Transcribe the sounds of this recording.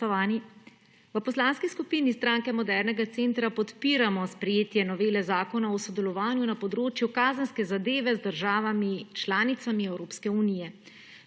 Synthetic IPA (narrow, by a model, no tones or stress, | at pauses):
aːni | ʋəpɔslanskiskupiːnist̪ɾaːŋkɛmɔd̪ɛɾnɛɡat̪seːnt̪ɾapɔt̪piːɾamɔspɾɛjeːt̪jɛnɔʋeːlɛzaːkɔnaɔsɔd̪ɛlɔʋaːnjunapɔd̪ɾoːt͡ʃjukaːzənskɛzad̪eːʋɛzd̪əɾʒaːʋamit͡ʃlaːnit̪samiɛwɾoːpskɛunijɛ